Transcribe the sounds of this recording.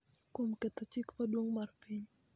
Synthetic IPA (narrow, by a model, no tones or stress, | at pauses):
kumkɛt̪at͡ʃikpaduaŋmarpiɲ